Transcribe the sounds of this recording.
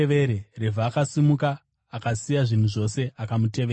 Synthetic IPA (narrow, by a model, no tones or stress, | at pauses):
eʋe̞ɾere̞vʱaːkasimukaː | kasijaʐin̤uʐo̞se̞akamute̞ʋeː